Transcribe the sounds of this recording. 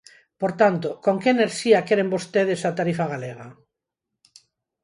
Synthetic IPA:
poɾt̪ant̪okoŋkeeneɾʃiakeɾembost̪eðesat̪aɾifaɣaleɣ̞a

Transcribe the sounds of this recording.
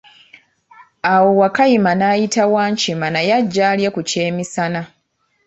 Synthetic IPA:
awo̞wakajimanaːjitawaːɲcimanajaɟːaːljekuce̞ːmisana

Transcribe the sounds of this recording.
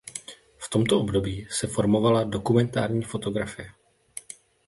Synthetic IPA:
ft̪o̞mt̪o̞ʔo̞bdo̞biːsɛfo̞ɾmo̞valado̞kumɛnt̪a̰ːɾɲiːfo̞t̪o̞ɡɾafɪjɛ

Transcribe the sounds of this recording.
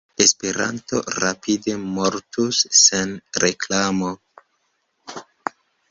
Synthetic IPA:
espe̞ɾa̰nto̞̰ɾapide̞moɾtusːenɾeklamo̞

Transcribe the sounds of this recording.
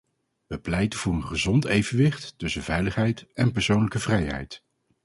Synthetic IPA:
ʋəplɛjtənvʊːɹənχəzɔntejvənʋɪχtːɵsənvɛjləχɦɛjtɛnpɛɹsownləkəvrɛjɦɛ̰jt

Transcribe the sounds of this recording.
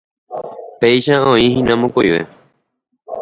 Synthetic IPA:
pejʃaõĩhĩnãmõkojʋḛ

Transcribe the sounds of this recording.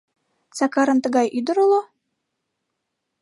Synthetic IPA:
t͡sɑkɑɾɤ̆nt̪ə̆ɣɑjʔyd̪ə̆ɾəlˠo

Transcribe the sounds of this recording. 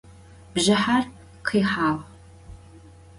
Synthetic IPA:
b̥ʒɐħar | qʰiːħaːʁ

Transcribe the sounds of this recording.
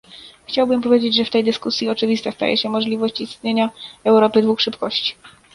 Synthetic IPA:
xt͡ɕawbɘmpɔvʲjed͡ʑed͡ʑʐɛft̪ɛjd̪ɘskusʲjiɔt͡ʂɘvʲist̪ast̪a̰jɛ̰ɕɛmɔʐlʲivɔɕt͡ɕist̪̚ɲeɲaɛwɾɔpɘd̪vuxʂɘpkɔɕt͡ɕi̥

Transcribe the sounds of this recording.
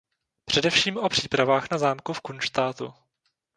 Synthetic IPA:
pr̝̥ɛdɛfʃiːmʔo̞pr̝̥iːpɾavaːxnazaːmkufkunʃt̪aːt̪ṵ

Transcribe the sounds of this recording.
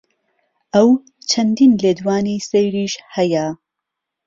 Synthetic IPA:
ʔɐw | t͡ʃʰɐnd̪iːnleːd̪waːnisejɾiːʃhɐjɐ

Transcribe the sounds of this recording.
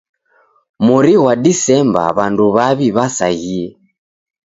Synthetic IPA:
muɾiwadisɛmba̰βanduβaβiβasa̰ɣiɛ

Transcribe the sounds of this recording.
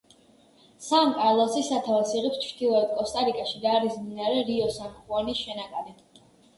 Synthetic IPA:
samkʼalˠɔsisat̪ʰavɛsiʁɛpst͡ʃʰd̪ilˠɔɛt̪̚kʼɔst̪ʼaɾikʼaʃid̪aːɾisminaɾɛɾiɔsanχuɔnisʃɛnakʼad̪ɛ

